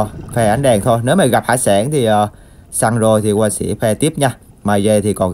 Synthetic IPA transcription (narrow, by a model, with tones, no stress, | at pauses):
fɛ˧ʔa˨˦ŋ̟ɗɛ˨˩ŋt̪ʰo˧jne˨˦wmaː˨˩ɣa˨˩p̚haː˧˥saː˧˩nt̪ʰi˨˩ʔəː˨˩ | saː˧ŋzo˧˩jt̪ʰi˨˩kwaː˧sḭ˧˥fɛ˧t̪i˦˥əp̚ɲaː˧ | maː˧˩jze˧t̪ʰi˨˩kɔ˨˩n